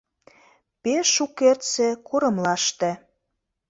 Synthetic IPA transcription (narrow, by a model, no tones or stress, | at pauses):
peʃukːert̪sĕkʰoɾə̆mlɑʃt̪ĕ